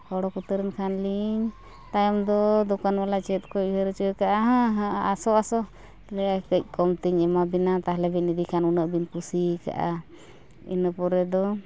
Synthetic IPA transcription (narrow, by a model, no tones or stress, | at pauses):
hɔɽɔkut̪əɾənkʰanliɲ | t̪ajɔmd̪ɔd̪ɔkanwalat͡ʃɛt̪̚kɔiɦəɾət͡ʃəəkaʔaɦãɦaasɔasɔ | lɛjakəc̚ˀkɔmt̪iɲɛmabinat̪aɦlɛbɛnid̪ikʰanunəʔbinpusika̰ʔa̰ | ḭnəpɔɾɛd̪ɔ